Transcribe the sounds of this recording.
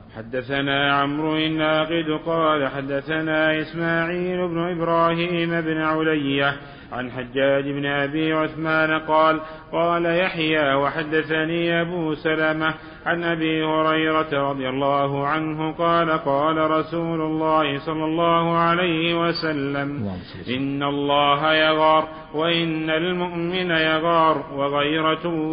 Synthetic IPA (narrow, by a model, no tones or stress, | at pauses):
ħad̪ːaθanaːʕamɾʊɪnːaːqɪd̪qɑːlaħad̪ːaθanaːʔɪsmaːʕiːlʊbnʊʔɪbɾˤɑːhiːmabnɪʕʊlajːa | ʕa̰nħad͡ʒːaːd͡ʒɪbnɪʔabiːʕʊθmaːnaqɑːl | qɑːlajaħjaːwaħad̪ːaθaniːʔabuːsalama | ʕanʔabiːhʊɾɑjɾˤɑt̪aɾˤɑd̪ˤɪjalˤːɑːɦʊʕanɦʊqɑːlaqɑːlaɾˤɑsuːlʊlːɑːhɪsˤɑlːɑlˤːɑːhʊʕalajhɪwasalːam | ʔɪnːalˤːɑːɦajɑɣɑɾˤ | waʔɪnːalmʊʔmɪnajɑɣɑɾˤwɑɣajɾɑ